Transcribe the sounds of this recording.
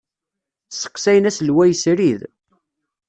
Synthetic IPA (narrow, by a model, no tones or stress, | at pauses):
sə̥qsæjənæslwæjəsɾið